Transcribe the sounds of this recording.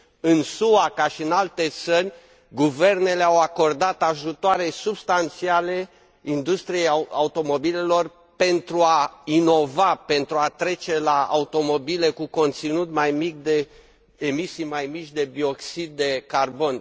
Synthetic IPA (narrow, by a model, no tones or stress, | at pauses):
ɨnsuakaʃiɨnalt̪e̞t̪sərʲ | ɡuve̞rne̞le̞awako̞rd̪at̪aʒut̪oaɾe̞subst̪ant̪siale̞ | ind̪ust̪ɾije̞jaaut̪o̞mo̞bile̞lo̞r | pe̞nt̪ɾuaino̞vape̞nt̪ɾuat̪ɾe̞t͡ʃe̞laa̰ut̪o̞mo̞bile̞kuko̞nt̪sinut̪majmik̚d̪e̞ | emisijmajmit͡ʃʲd̪e̞bioksid̪̚ːe̞karbo̞n